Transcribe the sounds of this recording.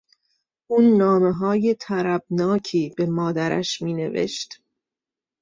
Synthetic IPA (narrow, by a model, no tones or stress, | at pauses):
ʔuːnːɒːme̞ɦɒːje̞t̪ʰæɾæb̥̚nɒːcʰiːb̥e̞mɒːd̪æɾæ̰ʃmiːne̞ve̞̰ʃt̪